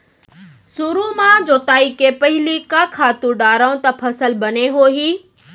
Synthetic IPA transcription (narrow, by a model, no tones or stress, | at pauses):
suɾumãd͡ʑoːt̪aːikepɐɦɪlikãːkʰaːt̪ũɖaːɾaũt̪ɐpʰɐsəlbɐneɦoːɦiː